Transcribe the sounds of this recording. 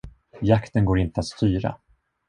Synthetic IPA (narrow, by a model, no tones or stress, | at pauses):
jakt̪ənɡoːɾɪnt̪əat̪st̪yːɾa̰